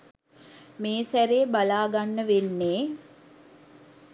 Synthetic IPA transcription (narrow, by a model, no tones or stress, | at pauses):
meːsæɾebalaːɡanːəʋenːeː